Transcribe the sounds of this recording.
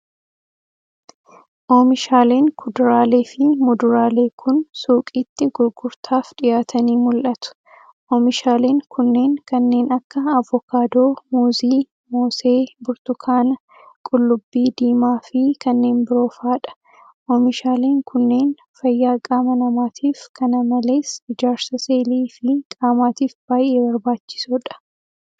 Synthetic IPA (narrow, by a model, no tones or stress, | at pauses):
ʔoːmɪʃaːle̞ːŋkʰʊd̪ʊɾaːle̞ːfɪmʊd̪ʊɾaːle̞ːkʰʊnsuːkʼiːt̪ːɪɡʊɾɡʊɾt̪ʰaːfᶑɪjaːt̪ʰɐniːmʊlʔɐt̪ʊ̥ | ʔoːmɪʃaːleːŋkʰʊnːe̞ːŋkɐnːe̞ːnɐkːɐɐvːɔkaːd̪oːmuːziː | moːse̞ːbʊɾt̪ʊkʰaːnɐ | kʼʊlːʊbːiːd̪iːmaːfɪkɐnːe̞ːnbɪɾo̞ːfaːᶑɐ̥ | ʔɔmɪʃaːleːŋkʰʊnːe̞ːn | fɐjːaːkʼaːmɐnɐmaːt̪ʰiːfkʰɐnɐmɐle̞ːsɪd͡ʒaːɾsɐseːliːfɪkʼaːmaːt̪iːfb̥aːjʔe̞ːbɐɾbaːt͡ʃːɪ̥sʊᶑɐ̥